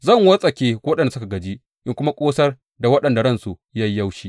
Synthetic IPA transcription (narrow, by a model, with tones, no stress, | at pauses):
zɐ˦˨ŋwɐ˦sʼɐ˨kʲeː˦ɐ˦ɗɐ˨nda˨sʊ˦ka˨ɡɐ˨d͡ʒi˦ | ʔɪ˦ŋkʷʊ˦ma˦kʷʼoː˦sɐ˦r | da˨wɐ˦ɗɐ˨nda˨ɽɐ˦˨nsu˨ja˦jːɐ˦wʃiː˦